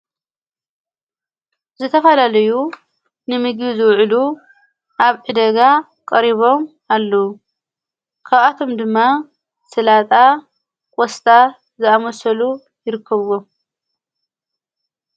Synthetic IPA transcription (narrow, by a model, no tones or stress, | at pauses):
zɨt̪ʰɐfɐlalɐju | nɨmɨɡbizɨwʕlu | ʔaβʕɨd̪ɐɡa | kʼɐɾiβo̞m | alːɐwu | kʰaβʔat̪ʰo̞md̪ɨmːa | sɨlat̪ʼa | kʼɔst̪ʰʼa | zɨamɐsɐlu | jɪɾɨkʰːɐβwom